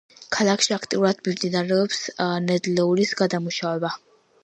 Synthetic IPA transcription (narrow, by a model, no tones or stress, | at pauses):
kʰalˠakʰʃiakʰt̪ʼiuɾad̪̥mimd̪inaɾɛɔpsnɛd̪lɛulisɡad̪amuʃavɛba